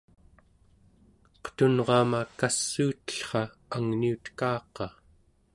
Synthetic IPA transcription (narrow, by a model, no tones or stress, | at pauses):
qə̥t̪unʁɑːmakasːuːt̪ə̥ɬχɑ | aŋniut̪kɑːqɑ